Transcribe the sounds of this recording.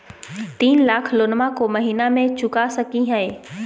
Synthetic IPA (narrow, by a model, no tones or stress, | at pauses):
t̪iːnlaːkʰlonmakomɐɦiːnamẽt͡ʃʊkasɐkiɦɛː